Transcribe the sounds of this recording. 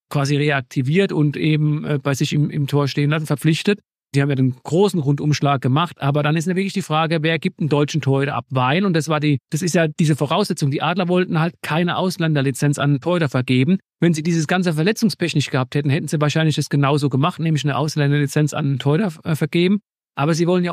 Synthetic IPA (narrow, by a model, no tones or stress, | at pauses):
kv̥aːziʁeak̚tʰiviːɐtʊntʔeːbm̩ʔəːb̥aɪzɪçɪmɪ̰mtʰoːɐʃteːənlas̬n̩fɛɐp͡flɪçtət | z̥iːhaːmjaːdeːnɡ̥ʁoːsn̩ʁʊntʊmʃlaːk̚ɡ̥əmaχtʔaːbɐɾanɪs̬tjaːvɪɐklɪçd̥iːfʁ̥aːɡəveːɐɡiːp̚tn̩dɔʏt͡ʃn̩tʰoːɐɾɐʔa̰pvaɪnʊntd̥asv̥aːɐdiːd̥asɪstjaːd̥iːzəfoʁaʊsz̥ɛt͡sʊŋdiːʔaːdlɐvɔltn̩haltkʰaɪnəʔaʊslɛndɐlit͡sɛnt͡sa̰nntʰɔʏɾɐfɛɐɡeːbm̩ | vɛnziːdiːzəsɡ̥ant͡səfɛɐlɛt͡sʊŋspɛçnɪçtɡ̥əhaːp̚tʰhɛtn̩hɛtn̩ziːvaːɐʃaɪnlɪçd̥asɡ̥ənaʊzoːɡəmaχtnɛːmlɪçnəʔa̰ʊslɛndɐlit͡sɛnt͡sa̰nntʰɔʏɾɐfɛɐɡ̥eːbm̩ | ʔaːbɐziːvɔlənja